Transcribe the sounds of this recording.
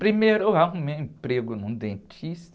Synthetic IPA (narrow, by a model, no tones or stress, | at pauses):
pɾimejɾoaũmewĩpɾeɡʊnũd̪ẽnt͡ʃist̪